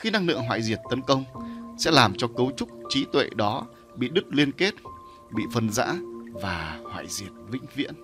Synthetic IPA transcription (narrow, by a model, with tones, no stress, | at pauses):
xi˧na˧ŋlɨ̰˧˨əŋɦaː˧˨jzi˨˩ət̚t̪ə˨˦nkə˧wŋ͡msɛ̰˧˥laː˨˩mt͡ɕɔ˧kə˨˦wt͡ɕʊ˦˥k͡p̚t͡ɕi˨˦t̪wḛ˧˨ɗɔ˨˦ | ɓḭ˧˨ɗɨ˦˥k̚li˧ənke˦˥t̚ | ɓḭ˧˨fə˧nza̰ː˧˥vaː˨˩hwa̰ː˧˨jzi˨˩ət̚vḭ̈˧˥ŋ̟vḭ˧˥ən